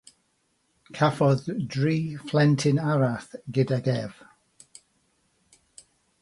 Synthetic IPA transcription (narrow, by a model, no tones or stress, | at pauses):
kʰafɔðdɹiːflɛntʰɪnaɹaθɡɪdaɡɛv̥